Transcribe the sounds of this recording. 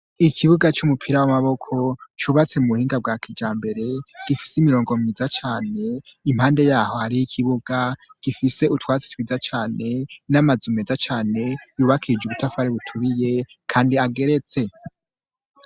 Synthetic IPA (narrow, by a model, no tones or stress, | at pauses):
ikʰiβuɡat͡ʃumupʰiɾawamaβo̞kʰo̞t͡ʃuβat͡se̞muuhiːŋɡab̚ɡaːkʰid͡ʒaːmbe̞ɾe̞ɡ̥ifi̥simiɾo̞ːŋɡo̞miːzat͡ʃaːne̞im̥haːnde̞jaːho̞haɾijikʰiβuɡaɡ̥ifise̞utwaːt͡si̥twizat͡ʃaːne̞namazumezat͡ʃaːne̞juːβakʰid͡ʒuβutʰafaɾeβutʰuβije̞ | kʰaːndiaɡe̞ɾe̞t͡se̞